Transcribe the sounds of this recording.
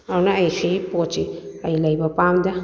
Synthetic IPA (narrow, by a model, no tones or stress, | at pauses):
awnɐːjkʰipot͡ʃiɐjlɐjbɐpamdɐ